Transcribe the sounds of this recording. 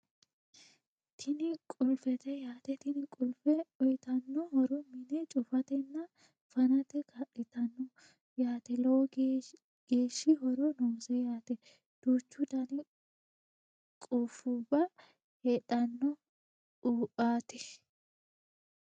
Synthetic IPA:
t̪ʰɪnɪkʼʊlfɛt̪ɛjaːt̪ɛt̪ɪnɪkʼʊlfɛɔjt̪ɐnːɔhɔɾɔmɪnɛt͡ʃʼʊfɐt̪ɛnːɐ | fɐnɐt̪ɛkʰɐʔɛt̪ːɐnːɔ | jaːt̪ɛlɐwɔ | ɡ̥e̞ːʃːɪɦɔɾɔnoːsɛjaːt̪ɛ | d̪̥uːt͡ʃːʊd̪ɐnɪ | kʼuːfuːbɐ | hɛt̪ʼɐnːɔ | uːpʼːaːt̪ɛ̥

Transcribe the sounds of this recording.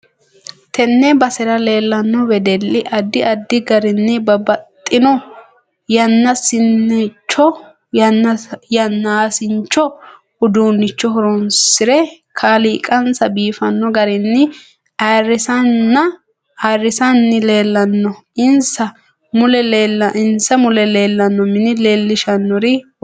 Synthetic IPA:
t̪ɛnːɛbɐsɛɾɐle̞ːlːɐnːɔwɛd̪ɛlːɪʔɐd̪ːɪʔɐd̪ːɪɡɐɾɪnːɛbɐbɐt̪ʼːɪnɔ | jɐnːɐsɪnːɛt͡ʃːɔ | ɐnːɐjɐnːaːsɪnt͡ʃːɔ | hʊd̪uːnːɪt͡ʃːɔhɔɾɔnsɪɾɛ | kʰaːliːkʼɐnsɐbiːfɐnːɔɡɐɾɪnːɪ | arːɪsɐnːɐ | arɪsɐnːɪle̞ːlːɐnːɔɪnsɐ | mʊlɛleːlːɐʔɪnsɐmʊlɛle̞ːlːɐnːɔmɪnɪle̞ːlːɪʃɐnːɔɾɪ

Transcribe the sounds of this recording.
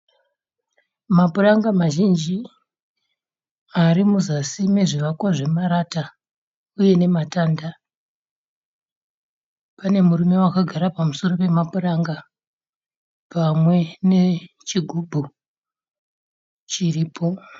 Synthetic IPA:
mapuraŋɡamaʒind͡ʒi | aɾimuzasime̞ʐiʋakwaʐe̞maɾata | uje̞ne̞mataːnda | pane̞murume̞wakaɡʱaɾapamuso̞ro̞pe̞mapuraŋɡa | pamwe̞ne̞ | t͡ʃiɡʱubʱu | t͡ʃiriːpʰo̞

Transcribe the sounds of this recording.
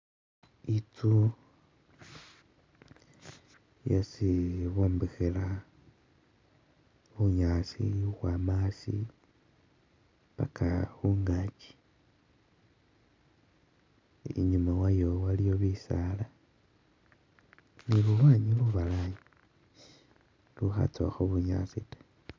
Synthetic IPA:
itu | jasiβombexela | βuɲasḭuɣwamasḭ | βa̰kaβuŋɡat͡ʃi̥ | ḭɲumawajowalijo̞βisala | nilulwaːɲiluβalaji | luxa̰t͡so̰xoβuɲa̰sitḁ

